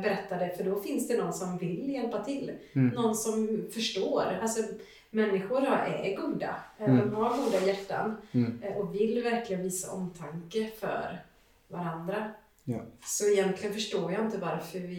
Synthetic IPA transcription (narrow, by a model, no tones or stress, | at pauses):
bɛɾɛt̪ːad̪ɛfœɖɔfɪnsd̪ɛnɔnːsɔmvɪljɛlpat̪ʰɪlːnɔnːsɔmfœʂʈoːɾalsɔ | mɛnːɪɧʊɾɔʔɛ̰ɾɡuːd̪a̰d̪ɔmhaɾɡuːd̪ajæʈːa̰nʔɔkvɪlːvæɾklɪɡənviːsa̰ʔɔmt̪ʰaŋkəfœ̰ɾ | vaɾand̪ɾa | sɔɪjɛnt̪ʰlɪɡənfœʂʈoːɾjaɪnt̪əvaɾfœɾvɪ